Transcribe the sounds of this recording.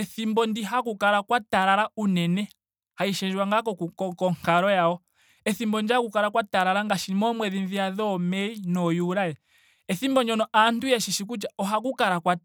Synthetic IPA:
ɛθimbɔndiɦakukaɾakwataɾaɾaunɛnɛ | haiʃɛʒwaŋɡakɔkukɔkɔŋ̥kaɾɔjaɔ | ɛθimbɔndiakukaɾakwataɾaɾaŋɡaʃiimɔmwɛðinðiaðɔmɛinɔjuɾajɛ | ɛθimbɔɲɔnɔantujaʃiʃik̬ut͡ʃaɔɦak̬ukaɾakwa

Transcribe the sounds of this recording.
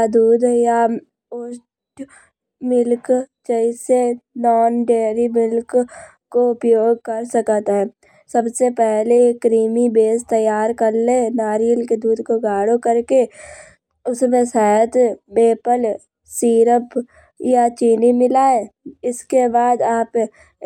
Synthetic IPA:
d̪uːd̪ja | o | ʈ | mɪlkt͡ʃəɪsenɔːnɖeːɾimɪlk | koʊpjoːɡ̚kəɾsəkt̪ɦɛ | səbsepɛɦlekɾiːmibeːst̪əjaːɾkəɾlenaːɾijəlked̪uːd̪ʱkoɡaːɽokəɾke | ʊsmẽsaːət̪beːpəl | siːɾəp | jat͡ʃiːnimɪlaːẽɪskebaːd̪aːp

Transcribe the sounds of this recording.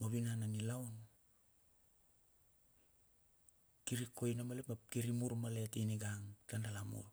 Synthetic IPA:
moβinananilawn | kiɾiko̞jnamalepmapkiɾimuɾmale̞tiniɡaŋtandalamṵl

